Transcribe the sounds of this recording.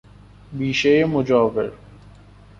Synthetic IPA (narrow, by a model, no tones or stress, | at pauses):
biːʃeemʊd͡ʒaːʋɪ̰ɾ